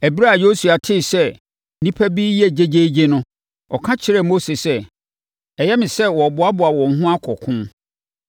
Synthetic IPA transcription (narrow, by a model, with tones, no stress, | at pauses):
æ˨bi˦ɾa˦˨jo˦su˨a˨tʰɪ˦˨sɛ˦ | nĩ˦pʰæ˦biː˦jɛ˦d͡ʑe˦d͡ʑe˦d͡ʑe˦nʊ̃˦ | ɔ̰˨kʰã˦t͡ɕʰɪ˦ɾɛ˦˨mo˦se˨sɛ˦ | ɛ˨jɛ˦mɪ̃˨sɛ˦wɔ˨bʊ˨˦a˦bʊ˨a˨wɔ̃˨ŋ̩˨ɦʊ̃˦a˦kʰɔ˨kʰʊ̃˦n